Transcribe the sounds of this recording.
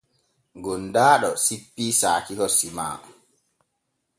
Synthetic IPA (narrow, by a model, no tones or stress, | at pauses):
ɡɔndaːɗɔsipːiːsaːkikɔsima̰ː